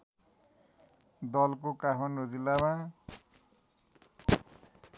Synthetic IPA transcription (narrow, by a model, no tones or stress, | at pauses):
d̪ʌlkokaɦʰʌnod͡zilama